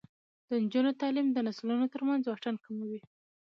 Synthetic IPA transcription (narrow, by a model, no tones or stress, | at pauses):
d̪̥ənd͡ʒunot̪ɑlimd̪ənaslunot̪əɾmanzwaʈankamawi